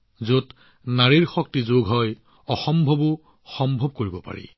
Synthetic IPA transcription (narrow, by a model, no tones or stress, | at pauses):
zot | naɹiɹxɔk̚tizoɡɦɔj | ɔxɔmbʱɔbʊ | xɔmbʱɔb̚koɹibɔpa̰ɹḭ